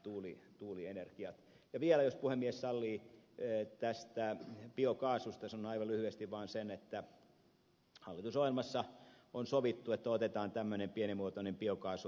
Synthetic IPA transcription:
t̪uːlḭt̪uːlienerkiɑt̪ | jɑʋiɛlæjospuhemːiessɑlːiː | t̪æst̪æpiokɑːsust̪ɑsɑnonɑiʋɑlyhyest̪iʋʋɑːnsenet̪ːæ | hɑlːit̪usohjelmɑsːɑonsoʋit̪ːuet̪ːæot̪et̪ɑːnt̪æmːønempienimuot̪onempiokɑːsu

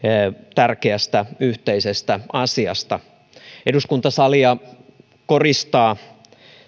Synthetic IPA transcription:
t̪ærkeæst̪æyht̪eisest̪æɑsiɑ̰st̪ɑ | eduskunt̪ɑsɑliɑ | ko̞rist̪ɑː

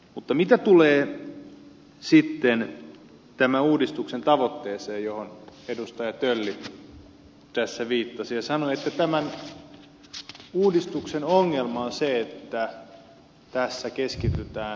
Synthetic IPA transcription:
mut̪ːɑmit̪æt̪uleː | sit̪ːen | t̪æmænuːdist̪uksent̪ɑʋot̪ːeːseːjjohonedust̪ɑjɑt̪ølːi | t̪æsːæʋiːt̪ːɑsijɑsɑnoet̪ːæt̪æmæn | uːdist̪uksenoŋːelmɑonseet̪ːæ | t̪æsːækeskit̪yt̪æː

